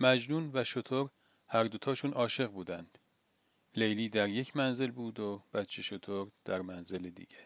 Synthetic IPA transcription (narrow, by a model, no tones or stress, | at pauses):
mæd͡ʒnuːnvæʃot̪ʰoɾ | hæɾd̪ot̪ʰɒːʃuːnʔɒːʃe̞ɣbuːd̪ænd̪̥ | le̞jliːd̪æɾje̞cʰmænze̞lbuːd̪ob̥æt̪t͡ʃʰeʃot̪ʰoɾd̪̥æɾmænze̞led̪ḭɟ̥e